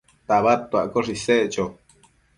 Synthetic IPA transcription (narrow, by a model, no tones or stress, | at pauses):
t̪aβat̪ːuaʔkoʐiseʔt͡ʃo